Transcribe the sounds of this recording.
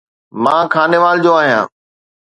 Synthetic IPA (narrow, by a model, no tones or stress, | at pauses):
mãːkʰaːneʋaːld͡ʑoːaːɦijã̰ː